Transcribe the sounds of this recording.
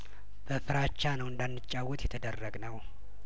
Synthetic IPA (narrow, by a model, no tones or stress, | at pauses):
b̥əfɨɾat͡ʃːanəwɨnd̪anːɨt͡ʃʼːawːɔt̪jɛt̪ʰəd̪ərːəɡnəw